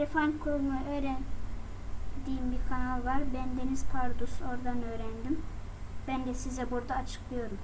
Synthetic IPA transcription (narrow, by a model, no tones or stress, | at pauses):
ɾefankʰoɾˠunaʔøːɾæn | d̪iːmbiɾkʰanalˠvaɾbænd̪e̞niz̥pʰaɾd̪osuo̞ɾd̪anø̞ːɾænd̪im | b̥ænd̪ɛsizɛbuɾd̪aːt͡ʃʰɯ̥klˠɯjo̞ɾum